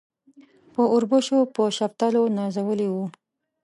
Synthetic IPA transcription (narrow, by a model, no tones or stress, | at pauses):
pəʊɾbəʃopəʃap̚t̪alonɑzawəliwu